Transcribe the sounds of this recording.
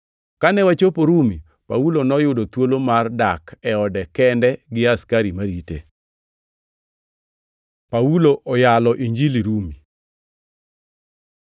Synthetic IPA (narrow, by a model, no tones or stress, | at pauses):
kanɛwat͡ʃopoɾumi | paulonɔjʊdot̪wolomardakɛɔdɛkɛndɛɡɪaskaɾimaɾitḛ | pauloʔɔjalɔʔiɲd͡ʒiliɾumi